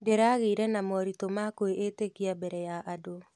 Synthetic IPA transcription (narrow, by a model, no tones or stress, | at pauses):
deɾaɣeiɾɛnamɔɾitomakoeʔetekiabɛɾɛjaʔado